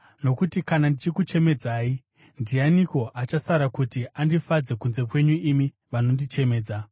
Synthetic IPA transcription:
no̞kutikanandit͡ʃikut͡ʃe̞me̞d͡zaːi | ndianiko̞ʔat͡ʃasaɾakutiʔandifad͡ze̞kunze̞kwe̞ɲuimi | ʋano̞ndit͡ʃe̞me̞ːd͡za

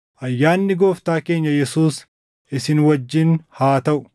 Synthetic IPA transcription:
ʔɐjːaːnːɪɡo̞ːft̪aːke̞ːɲːɐjɛsuːs | ʔɪsɪnwɐd͡ʒːɪnhaːt̪ɐʔʊ̥

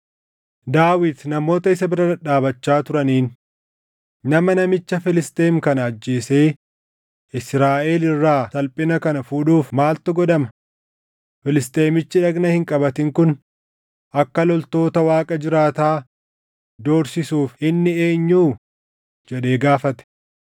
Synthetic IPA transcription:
d̪aːwɪd̪nɐmo̞ːt̪ɐɪsɐbɪɾɐɐᶑaːbɐt͡ʃːaːt̪ʊɾɐniːn | nɐmɐnɐmɪt͡ʃːɐfɪlɪst̪ʼe̞ːmkɐnɐːd͡ʒːe̞ːse̞ː | ʔɪsɾaːʔe̞ːlɪrːaːt̪ɐlpʼɪnɐkɐnɐfuːᶑuːfmaːlt̪ɔɡɔd̪ɐmɐ | fɪlɪst̪ʼe̞ːmɪt͡ʃːɪᶑɐɡnɐhɪŋkʼɐbɐt̪ɪŋkʊn | ʔɐkːɐlɔlt̪o̞ːt̪ɐwaːkʼɐd͡ʒɪɾaːt̪aː | d̪oːɾsɪsuːfɪnːɪe̞ːɲːuː | d͡ʒɛᶑe̞ːɡaːfɐt̪ɛ̥

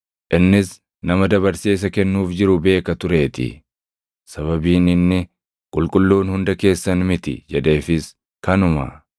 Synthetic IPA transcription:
ʔɪnːɪs | nɐmɐd̪ɐβɐɾseːs̬ɐkɛnːuːfd͡ʒɪɾʊbe̞ːkɐt̪ʊɾe̞ːt̪ɪ̰ | sɐβɐbiːnɪnːɪ | kʼʊlkʼʊlːuːnhʊnd̪ɐke̞ːsːɐnmɪt̪ɪ̰d͡ʒɛd̪e̞ːfɪs | kɐnʊmɐ̰

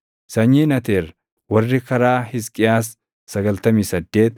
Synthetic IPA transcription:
sɐɲːiːnɐt̪eːɾ | wɐrːɪkɐɾaːhɪskʼɪjaːs̬ː | ɐɡɐlt̪ɐmiːsɐd̪ːe̞ːt̪

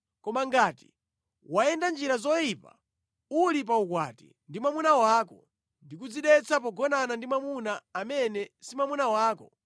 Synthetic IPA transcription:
kɔmaŋɡaːti̥̰ | waɛndand͡ʒiɾazɔjipa̰ | ulipaukwa̰tḭ | ndimamunawaːkɔ | ndik̬ud͡ziɗɛt͡sʰap̬ɔɡɔnanandimamunaːmɛnɛsimamunawaːkɔ

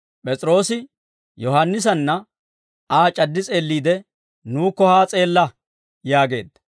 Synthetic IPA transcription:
pʼɛt͡sʼɾo̞ːsɪ | jɔhɐnːɪs̬ɐnːɐ | aːt͡ʃʼɐd̪ːɪt͡sʼe̞ːlːiːd̪ɛ | nuːkːɔhaːt͡sʼe̞ːlːɐ | jaːɡe̞̰ːd̪ːɐ̥

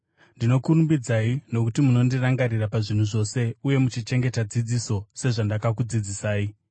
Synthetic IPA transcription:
ndino̞kuɾumbid͡zaino̞kutimuno̞ndiraŋɡaɾirapaʐin̤uʐo̞se̞uje̞mut͡ʃit͡ʃe̞ŋɡe̞tad͡zid͡ziso̞se̞ʐandakakud͡zid͡zisaːi

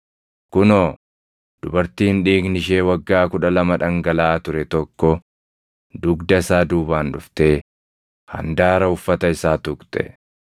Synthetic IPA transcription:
kʊnoː | d̪̥ʊbɐɾt̪iːnᶑiːɡnɪʃ̬e̞ːwɐɡːaːkʊᶑɐlɐmɐᶑɐŋɡɐlaːt̪ʊɾɛt̪ɔkːɔ | d̪ʊɡd̪ɐɪsaːd̪uːbaːnᶑʊft̪eː | hɐ̰nd̪aːɾɐʊfːɐt̪ɐɪsaːt̪ʊkt̪ʼɛ̰

